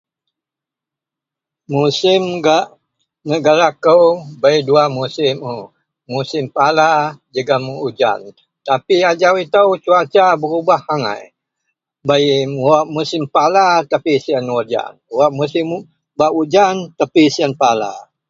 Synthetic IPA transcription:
musɪmɡaʔ | nəɡaɾakəwbajduamusɪmu | musɪmpalad͡ʒəɡamuud͡ʒa̰n | t̪apiad͡ʒawit̪əwt͡ʃuat͡ʃabəɾubahaŋa̰j | bajwaʔmusɪmpalat̪apisianwod͡ʒa̰nwaʔmusɪm | baʔud͡ʒant̪apisianpala̰

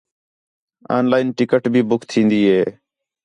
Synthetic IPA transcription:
a̰ːnlaːɪnʈɪkəʈbʱiːbʊkʰt̪ʰĩːnd̪iːɦeː

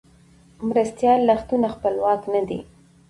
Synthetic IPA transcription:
mɾast̪jɑlːaxt̪unaxpəlwɑknad̪ḭ

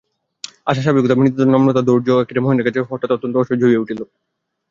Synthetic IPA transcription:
aʃ̬aʃ̬abikut̪abinit̪ːt̪onɔmnot̪ad̪oɾd͡ʑoɛkɾemoɦenekat͡ɕʰeɦɔɾʈat̪ɔt̪ːont̪oɔʃod͡ʑʱoieuʈʰilo

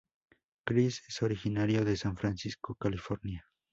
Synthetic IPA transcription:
kɾiseso̞ɾixinaɾjoðe̞saɱfɾansiskokalifoɾnja

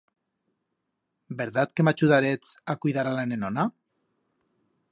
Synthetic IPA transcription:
beɾðat̪kemat͡ʃuðaɾet͡sakujðaɾalenenona

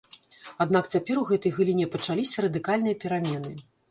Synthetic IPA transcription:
ad̪nakt͡sʲapʲɛɾuɣɛt̪ɐjɣɨlʲinʲɛpɐt͡ʂalʲisʲɐɾɐd̪ɨkalʲnɨjɐpʲɛɾamʲɛnɨ

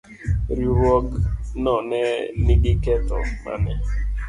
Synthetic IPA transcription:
ɾiɾɔknɔneniɡɪkɛtɔ̰ma̰nɪ

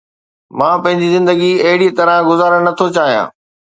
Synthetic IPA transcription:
mãːpɐ̃ɦɪ̃ɲd͡ʑizɪ̃nd̪əɡiɐɦɪɽit̪ɐɾãɡʊzaːɾəɽnɐt̪ʰot͡ɕaːɦijã̰ː

